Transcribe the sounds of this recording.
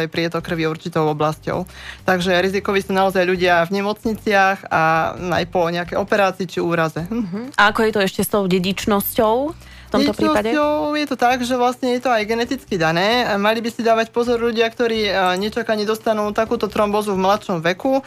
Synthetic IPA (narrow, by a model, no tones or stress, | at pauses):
ajpɾɪɛt̪ɔkr̩ʋiuɾt͡ʃit̪ɔʊɔblascɔ̰ʊ | t̪aɡʒɛɾizikɔʋisuːnaɔzajʎuɟɪavɲɛmɔt͡sɲit͡sɪaxana̰jpɔɲɛakɛjɔpɛɾaːt͡siːt͡ʃiuːɾazɛʔaakɔjɛt̪ɔɛʃcɛst̪ɔʊɟɛɟit͡ʃnɔscɔʊ | t̪ɔt̪ɔt͡ʃɾiɔaɔʊjɛt̪ɔt̪aɡʒɛʋlasɲɛjɛt̪ɔajɡɛnɛt̪it͡skid̪anɛːmalibisid̪aːʋacpɔzɔɾʎuɟɪakt̪ɔɾiːɲɛt͡ʃakaɲɛd̪ɔst̪anuːt̪akuːt̪ɔt̪ɾɔmbɔzuvmlat̪ʃɔmʋɛku